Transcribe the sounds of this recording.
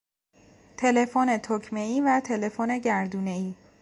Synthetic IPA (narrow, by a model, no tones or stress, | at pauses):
t̪ʰe̞le̞fone̞t̪ʰokʰme̞iːvæt̪ʰe̞le̞fone̞ɟæɾd̪uːne̞iː